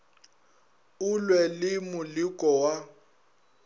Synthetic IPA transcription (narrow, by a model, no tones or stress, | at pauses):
ʊlwɛlɪmʊlikʼɔwa